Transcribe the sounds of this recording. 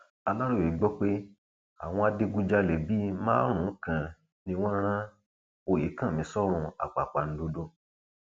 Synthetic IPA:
a˧la˦ɾũ˦˨e˨˦ɡ͡bɔ˦k͡pe˦ | a̰˨w̃ɔ̃˧a˧de˧ɡu˧d͡ʒa˧lɛ˨bi˦mãː˦ɾ̃ũ˨˦kã˨ | nĩ˧w̃ɔ̃˦ɾ̃ã˦ | o˦˨je˨˦kã˦˨mĩ˨˦sɔ˦ɾ̃ũ˧a̰˨k͡pa˨k͡pa˨n̩˦do˧do˧

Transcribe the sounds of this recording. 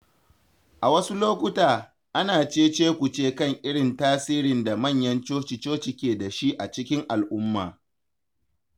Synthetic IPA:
ʔa˨wɐ˦su˦loː˦kʷʊ˦taː˨ | ʔa˦naː˨t͡ʃeː˦t͡ʃeː˦kʷu˨t͡ʃeː˦˨kɐ˦˨ŋʔɪ˦ɽɪ˨ntaː˦siː˦ɾɪ˨nda˨mɐ˦˨ɲjɐ˦nt͡ʃoː˦t͡ʃi˨t͡ʃoː˦t͡ʃɪ˨kʲeː˨da˨ʃi˦ʔa˨t͡ʃɪ˦kʲɪ˦ŋʔa˨lʔʊ˦mːa̰ː˨

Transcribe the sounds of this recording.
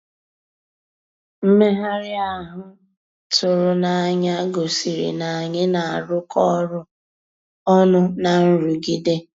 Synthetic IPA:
m̩˦me˦ɦa˦ɾɪ˦a˦ɦʊ˦ | tʰʊ˨ɾʊ˨na˨a˨ɲa˦ɡo˨si˨ɾḭ˨na˨a˨ɲɪ˦na˨a˨ɾʊ˦kʰɔ˦ɾʊ˦ | ɔ˦nʊ˦na˨n̩˦ɾu˨ɡi˦de˦

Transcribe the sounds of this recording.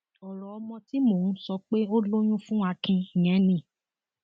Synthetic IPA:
ɔ˨ɾɔ˨ɔ˧mɔ̃˧ti˦mo˦˨ũ˦sɔ˧k͡pe˦o˦lo˦j̃ũ˦fũ˦a˧kĩ˧i˨j̃ɛ̃˨˦nĩ˦˨

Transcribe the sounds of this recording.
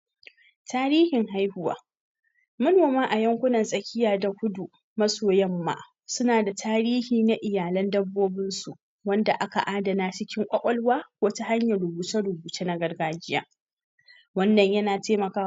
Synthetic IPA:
taː˦ɾiː˦hɪ˨ŋɦa˦jhʊ˦wa̰ː˦ | mɐ˦noː˨maː˦ʔa˨jɐ˦ŋkʷʊ˦nɐ˨nsʼɐ˨kʲʰɪ˦jaː˨da˨kʷʊ˦du˨ | mɐ˦soː˨jɐ˦mːa̰ː˨ | sʊ˦naː˨da˨tʰaː˦ɾiː˦hiː˨na˦ʔɪ˨jaː˨lɐ˦ndɐ˦bːoː˦bɪ˦nsu˨ʔ | wɐ˦nda˨ʔa˦ka̰˨ʔaː˦dɐ˨naː˦t͡ʃɪ˦kʲɪ˦ŋkʷʼɐ˦kʷʼɔ˦lwaː˦kʷoː˦ta˦ha˦ɲjɐ˨ɽʊ˨buː˨t͡ʃe˦ɽʊ˨buː˨t͡ʃeː˦na˦ɡɐ˦rɡaː˦d͡ʒɪ˦ja̰ː˦ | wɐ˦nːɐ˨ɲjɐ˦naː˨teː˦mɐ˨kaː˦

